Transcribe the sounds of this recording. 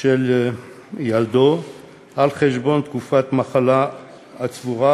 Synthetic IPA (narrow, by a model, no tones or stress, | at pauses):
el | jald̪o | ʔalχeʃbo̞nt̪kufat̪maχala | at͡svuʁa